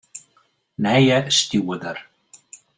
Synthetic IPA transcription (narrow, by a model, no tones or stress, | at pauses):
nɛjɛst̪juːwʏðaɾ̥